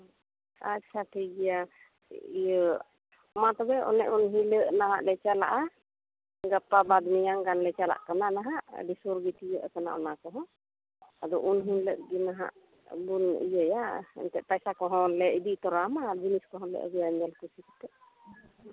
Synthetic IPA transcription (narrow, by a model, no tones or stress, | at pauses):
at͡ʃʰaʈʰiɡija | ijəʔ | mat̪ɔbɛʔɔ̰nɛ̰ʔunɦĩləʔnaɦa̰ʔlɛt͡ʃala̰ʔa | ɡapːabad̪mijaŋɡanlɛt͡ʃala̰ʔkananaɦaʔɖisuɾɡit̪ijəʔkana̰ʔɔnakɔɦɔ̃ | ad̪ɔʔunɦiləʔɡinaɦa̰ʔ | bunḭjəjaɛ̰nt̪ɛʔpajsakɔɦɔ̃lɛid̪it̪ɔɾamad͡ʒiniskɔɦɔ̃lɛ̰ʔə̰ɡɛjaɲɛlkusisi̥t̪ɛʔ